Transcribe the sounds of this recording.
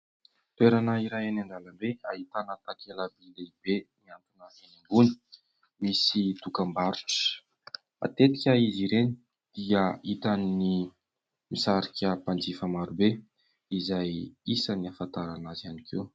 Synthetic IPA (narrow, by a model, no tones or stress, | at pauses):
t̪weɾanəiɾajanaɳɖ͡ʐaləmbeaɦit̪anət̪akeləbileibeniant̪unəfeniŋbuni̥ | misit̪ukambaɾu̥ʈ͡ʂə̥ | a̰t̪et̪i̥kʲəiziɾeni | d̪̥iəit̪anini | misaɾikʲəpand͡zifəmaɾube | izajisəniafant̪aɾanazanikʰe